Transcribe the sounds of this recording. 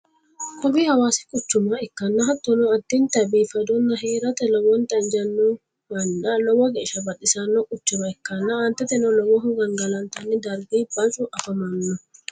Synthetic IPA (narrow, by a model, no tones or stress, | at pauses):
kɔbihɐwaːsɪ̥kʼʊt͡ʃːʊmɐɪkːɐnːɐɦɐt̪ːɔnɔɐt̪ːɪnt̪ɐbiːfɐd̪ɔnːɐɦeːɾɐt̪ɛlɔwɔnt̪ɐnd͡ʒɐnːɔ | mɐnːɐlɔwːɐɡeːʃɐbɐɗɪsɐnːɔkʼʊt͡ʃːʊmɐɛkːɐnːɐɐnt̪ɛt̪ɛnɔlɔwɔɦʊɡɐŋɡɐlɐnt̪ɐnːɪd̪ɐɾɡiːbɐt͡ʃʼʊʔɐfɐmɐnːɔ